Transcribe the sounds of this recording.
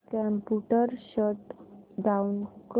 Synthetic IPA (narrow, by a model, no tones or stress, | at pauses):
kɛmpuʈəɾɕət̪daunk